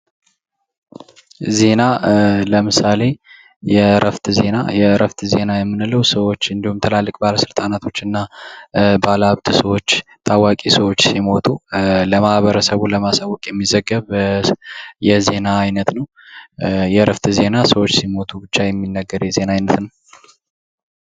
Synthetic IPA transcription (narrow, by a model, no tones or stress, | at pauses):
ze̞naləmɨsale̞ | jɛɾəft̪ze̞najɛɾəft̪ʰze̞najɛmːɨnɨlːəwsəwo̞t͡ʃːɨnd̪ihumt̪ʰəlalːɨkʼbaləsɨlt̪ʼanat̪ʰo̞t͡ʃːɨnːa | baləaβt̪ʼsəwo̞t͡ʃːt̪ʰawakʼisəwo̞t͡ʃːsimo̞t̪ʰuləmahβəɾəsəβuləmasawːɔkʼjɛmːizəɡːəβ | jɛze̞naːjnət̪nəw | jɛɾəft̪ʰze̞nasəwot͡ʃːsimo̞t̪ʰubɨt͡ʃːajɛmːinːəɡːəɾjɛzenaːjnət̪nəw